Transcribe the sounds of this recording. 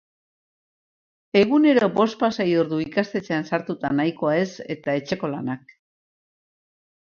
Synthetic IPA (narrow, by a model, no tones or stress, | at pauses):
e̞ɣ̞une̞ɾo̞bo̞st̪̚pasajoɾðuikast̪e̞t͡se̞ansaɾt̪ut̪anajko̞ae̞se̞̰t̪ae̞t͡ʃe̞ko̞la̰nak̚